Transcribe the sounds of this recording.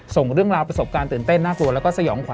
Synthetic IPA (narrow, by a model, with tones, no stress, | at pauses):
so˨˩ŋɾɯ˥˩əŋɾaː˧wpɾa˧so˨˩p̚kaː˧nt̪ɯː˨˩nt̪e˥˩nːaː˥˩klu˧əlɛ˦˥wkɔː˥˩sa˧jɔː˩˦ŋkʰa˨˦